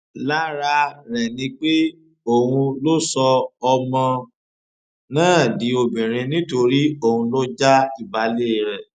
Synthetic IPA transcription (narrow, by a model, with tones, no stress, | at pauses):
la˦ɾa˧ɾɛ˨nĩ˧k͡pe˦ | o˦˨hũ˧lo˦sɔ˧ɔ˧mɔ̃˧ | nãː˦˨di˨˦o˧bĩ˨ɾ̃ĩ˧nĩ˦to˧ɾi˦o˦˨hũ˧lo˦d͡ʒa˦i˦˨ba˨˦le˦˨ɾɛ˨